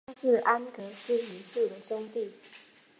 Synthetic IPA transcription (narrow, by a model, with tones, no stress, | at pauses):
ʂɻ̩˥˩˨ʔa˦nkɤ˧˥ʂɻ̩˥˩i˨˥˦su˥˩d̪ə˩ɕo˥ŋt̪i˥˨